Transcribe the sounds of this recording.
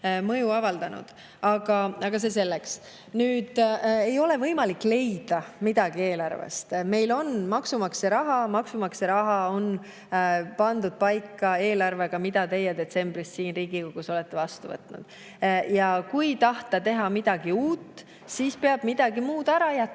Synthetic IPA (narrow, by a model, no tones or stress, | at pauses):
mɤjuɑvɑld̪ɑnṵd̪̥ | ɑɡ̥ɑʔɑɡ̥ɑs̬e̞se̞lːeks | nyːd̪̥e̞jo̞le̞vɤjmɑlikːˑle̞jd̪̥ɑmid̪̥ɑɡ̥ie̞ːlɑrvḛst̪me̞jlo̞nmɑksumɑkseɾɑɦɑmɑksumɑkseɾɑɦɑo̞n | pɑnd̪ud̪̥̚pɑjkːˑɑe̞ːlɑrve̞ɡ̥ɑmid̪̥ɑt̪e̞jːed̪e̞t̪se̞mbɾissiːnriːɡ̥ikoɡ̥uso̞lɛ̞t̪ːe̞vɑst̪uvɤ̰t̪ˑnṵd̪̥ | jɑkujt̪ɑht̪ɑt̪e̞ɦɑmid̪̥ɑɡiuːt̪ːˑ | siːspeɑb̥mid̪̥ɑɡimuːd̪̥æɾɑjæt̪ː